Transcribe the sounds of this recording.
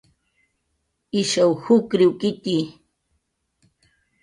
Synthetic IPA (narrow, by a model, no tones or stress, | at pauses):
ɪʃawhʊkɾɪwkɪt̪i